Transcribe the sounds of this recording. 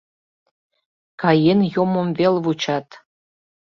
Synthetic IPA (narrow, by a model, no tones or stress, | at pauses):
kɑjenjomomvelvut͡ɕɑt̪